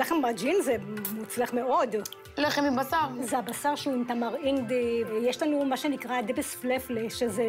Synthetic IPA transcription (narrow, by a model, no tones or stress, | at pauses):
laχenbad͡ʒinzemut͡slaχmeo̞d̪ | leχemibasaʁzeabasaʁʃeunt̪amaʁind̪ivejeʃlanumaʃenikʁad̪ebesflefleʃeze